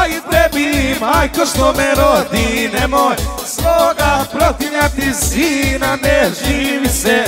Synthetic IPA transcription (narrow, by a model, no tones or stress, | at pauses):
ajit̪ɛbimajkoʃt̪omɛɾod̪inɛmoj | sʋoɡapɾot̪iɲat̪iziːnanɛʒiʋisɛ